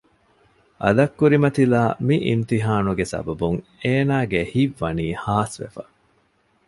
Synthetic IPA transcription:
ʔɐlɐkːuɾimɐt̪ilaːmiʔḭmt̪iɦaːnuɡesɐ̰bɐbuŋeːnaːɡehiʋːɐniːhaːsʋḛfɐ

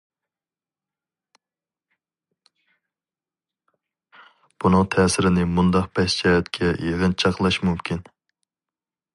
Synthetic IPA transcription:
b̥unɨŋt̪ʰɛːsɪɾɪnɪmund̪ɑqpʰɛst͡ʃʰɛːɛt̪kʲʰɛjeʁɨnt͡ʃʰɑqlˠɑʃmumkʲʰin

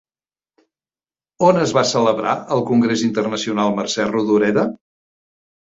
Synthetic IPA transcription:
onəzβasələβɾa̰əlˠkuŋɡɾezint̪ərnəsiunalˠmərsɛruðuɾɛðə

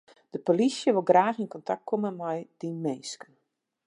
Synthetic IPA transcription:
d̥əpolisjəʋɪlˠɡraːxinkɔntak̚t̚kʰoməmɔjd̥inmeːskən

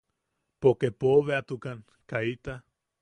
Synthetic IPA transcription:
pokepoβeat̪ukan | kait̪a

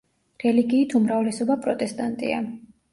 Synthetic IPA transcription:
ɾɛliɡiːt̪ʰumɾavlɛsɔbapʼɾɔt̪ʼɛst̪ʼant̪ʼḭa̰

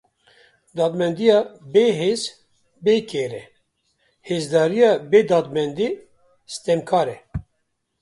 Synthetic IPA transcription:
d̪ɑːd̪mɛnd̪ijɑːbeːɦeːz | beːkʰeːɾɛ | heːzd̪ɑːɾijɑːbeːd̪ɑːd̪mɛnd̪iː | st̪ɛmkʰɑːɾɛ

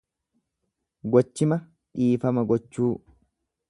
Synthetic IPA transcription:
ɡɔt͡ʃːɪmɐ | ᶑiːfɐmɐɡɔt͡ʃːuː

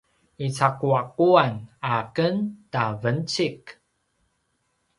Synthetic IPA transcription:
it͡sakuakuanakəntavənt͡sik

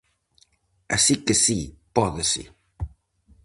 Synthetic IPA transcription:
asikesipɔðɪsḭ

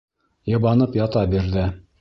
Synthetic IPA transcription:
jɤ̆βɑnɤpjɑt̪ɑbiɾðɘ

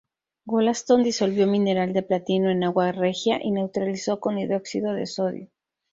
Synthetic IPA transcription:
ɡolast̪o̞nd̪iso̞lβjo̞mĩne̞ɾald̪e̞plat̪ino̞e̞naɣware̞xjaʔine̞wt̪ɾaliso̞ko̞niðo̞ksiðo̞ðe̞̰so̞ðjo

